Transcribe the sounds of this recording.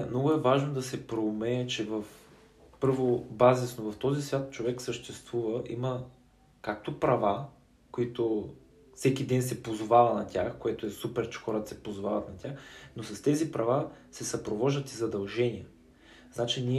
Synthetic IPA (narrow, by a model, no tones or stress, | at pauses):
mnɔɡʊɛvaʒnod̪ɐsɛpɾomɛt͡ʃɛvəf | pɤɾvobazisnovɐft̪ɔzisvʲjat̪t͡ʃovɛksəʃt̪ɛst̪vuvəʔimə | kak̚t̪opɾɐva | koit̪o | fsɛkid̪ɛnsɛpozovavɐnɐt̪ʲaxkoɛt̪oɛsupɛɾt͡ʃɛ̥xɔɾət̪ɐsɛpozovavɐt̪nɐt̪ʲaxnosɐst̪ɛzipɾɐvasɛsɐpɾovɔʒd̪ət̪izɐd̪ɐlˠʒɛniə | znat͡ʃinʲiɛ